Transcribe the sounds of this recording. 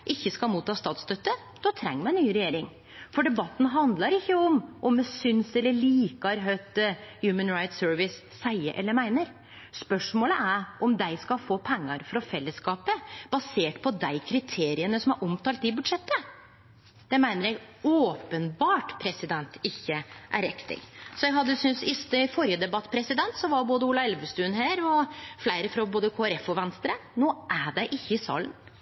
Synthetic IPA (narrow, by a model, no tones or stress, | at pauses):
ʔɪçːəskɑlmuːt̪ʰːɑːst̪ɑːt̪st̪œt̪ːə | d̪̥ɔt̪ʰɾɛ̰ŋːəmæɪnnyːɾɛjeːɾɪŋ | fɔɖɛbɑt̪ːn̩ɦɑnd̪lɑɾɪçːəɔmʔɔmd̪ɛsʏnsɛlːəɭiːkɑɾɦœt̪̚əjʉːmənɾɑɪt̪søːɾʋɪsːæɪəɾʔɛ̰lːəɾmæɪnəɾ | spœʂmoːləʔæɾʔɔmd̪æɪskɑlfoːpʰɛŋːɑɾfɔɾɔfɛlːəskɑːpəb̥ɑseːʈpʰɔd̪æɪkʰɾɪt̪ʰeːɾɪənəsɔmhɑɾʔɔmt̪ʰɑːlt̪ɪbʉd̪ʂɛt̪ːə | d̪̥ɛmæɪnəɾjæɪɡoːpənbɑːʈpʰɾɛsɪd̪ɛnt̪ɪçːəʔæ̰ɾɛkt̪ʰɪ̰lsɔjɛɡɦɑd̪ːəsʏnsɪst̪əfɔɾjəd̪ɛbɑt̪ːpʰɾɛsɪd̪ɛnt̪sɔʋɑɾboːd̪əulɑɛlʋəst̪ʉːnhæːɾɔflæɪɾəfɾɑboːd̪əkʰoːæɾɛfɔʋɛnst̪ɾənoːʔæɖæɪʔɪçːəɪsɑ̰ːlə̰n